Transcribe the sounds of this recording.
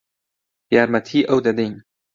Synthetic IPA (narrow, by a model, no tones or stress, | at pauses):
jaɾmat̪ʰiːʔɐwd̪ad̪eːn